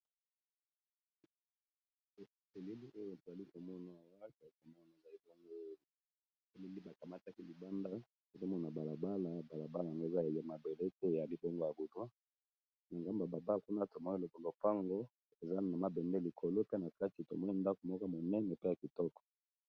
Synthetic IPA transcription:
e˨le˦li˦ʔo˦jo˨to˨za˨li˦ko˨mɔ˦na˨wa˦˨ta˨li˦ko˨mɔ˦na˨e˨za˨li˦bo˦ŋɡo˦ | e˨le˦li˦ba˨ka˨ma˦ta˦ki˦li˨ba˦nda˦ | o˨zo˦mɔ˦˨na˨ba˨la˨ba˦la˨ba˨la˨ba˦la˨a˨ŋɡo˦e˨za˦e˨ja˨ma˨be˨le˦te˦˨ja˨li˦bo˦ŋɡo˦ja˨ɡo˨dwa˦ | na˨ŋɡa˦mba˨ba˨ba˦˨ku˦na˦to˨mɔ˦i˦lo˨bo˨lo˨pa˦ŋɡo˦ | e˨za˦na˨ma˦bɛ˨ndɛ˦li˨kʰo˨lo˦pe˦na˨ka˦ti˨to̰˨mɔ˦ni˦nda˦ko˨mɔ˦ka˦mo˨nɛ˦nɛ˨pe˦ja˨ki˨tɔ˦kɔ̥˨

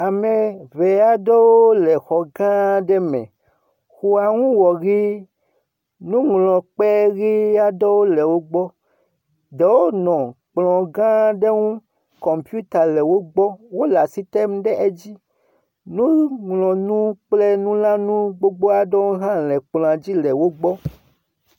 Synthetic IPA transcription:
a˨me˨ve˨a˨dɔ˦wo˦lɛ˨xɔ˨ɡã˦ɖɛ˦mɛ̰̃˨ | xu˨a˨ŋũ˦wɔ˨ɣi˦ | nũ˦ŋlɔ̃˨k͡pɛ˦ɣi˦a˦dɔ˦wo˦le˨wo˦ɡ͡bɔ˦ | de˨wo˦nɔ̃˨k͡plɔ̃˨ɡã˦ɖe˦ŋũ˦ | kɔ˨mpju˦t̪a˨lɛ˨wo˦ɡ͡bɔ˦wo˦la˨si˦t̪ɛ˦mɖɛ˦ʔe˦d͡ʑi˦ | nũ˦ŋlɔ̃˨nũ˦k͡plɛ˦nũ˦lã˦nũ˦ɡ͡bo˦ɡ͡bo˦a˦ɖɔ˦wo˦ɦã˦lɛ˨k͡plɔ̃˨ã˨d͡ʑi˦lɛ˨wo˦ɡ͡bɔ˦

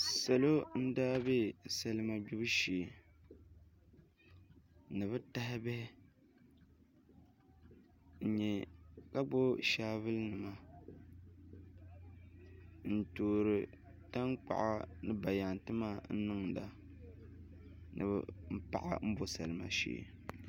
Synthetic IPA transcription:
sa˨lo˦n̩˦daː˦be˦sa˨lɨ˦ma˨bu˦bɨ˦ʃe˨ | nɨ˨βɨ˦ta˦ɦɪ˦bɛ˦hɪ˦ | n̩˨ɲɛ˨ka˦ɡ͡bo˦ʃaː˦βɨ˦lnɨ˨ma˦ | n̩˨toː˨ɾɨ˨ | ta˦ŋk͡pa̰˨ʔa̰˦nɨ˦ba˨ja˨n˨tɨ˦maː˦˨n̩˦nɨ˦ŋ˨da̰˨ | nɨ̰˨βɨ̰˨m̩˦pa̰˨ʔa̰˨m̩˦bo˦sa̰˨lɨ˨ma̰˨ʃḛː˨

